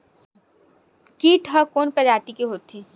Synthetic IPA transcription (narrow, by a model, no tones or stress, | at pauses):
kiːʈʰɦɐkoːnpɐd͡ʒaːt̪ikiɦoːt̪ĩ